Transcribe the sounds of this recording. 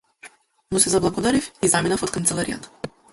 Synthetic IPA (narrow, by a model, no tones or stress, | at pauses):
musɛzablˠaɡɔd̪aɾifizaminafɔt̪̚kant̪sɛlˠaɾija̰t̪ḁ